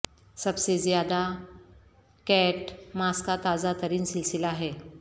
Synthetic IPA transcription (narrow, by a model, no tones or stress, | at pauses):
səbsezjad̪a | kɛʈmaskat̪azat̪əɾiːnsilsilaɦɛ